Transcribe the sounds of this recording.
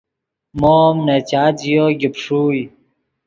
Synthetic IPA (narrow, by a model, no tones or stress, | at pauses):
moːmnet͡ɕaːd͡ʑijoːɡipʂuːj